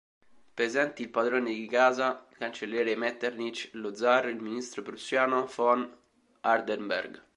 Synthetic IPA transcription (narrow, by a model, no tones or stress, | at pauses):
pɾezɛnt̪iːlpad̪ɾoːned̪ikaːzakant͡ʃeljɛːɾemɛt̪ːernit͡ʃlod̪zːarilminist̪ɾopɾusjaːnofɔn | ard̪embɛ̰rɡ